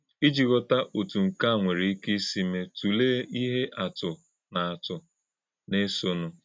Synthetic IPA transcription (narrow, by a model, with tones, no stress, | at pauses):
i˦d͡ʒi˨ɣɔ˦ta˦ʔo˨tu˨ŋ̩˨ka˦˨ŋʷe˨ɾi˨˦ki˦si˦me˦tu˨leː˦i˦ɦe˦ʔa˨tʊ˨ | na˨a˨tʊ˨ | ne˦so˦nʊ˨